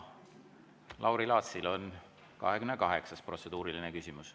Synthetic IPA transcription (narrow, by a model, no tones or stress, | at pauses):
lʔɑwɾilɑːt̪silo̞n | kɑ̰ɦekymnːekɑɦe̞ksɑspro̞t̪se̞d̪uːɾiline̞kysʲimus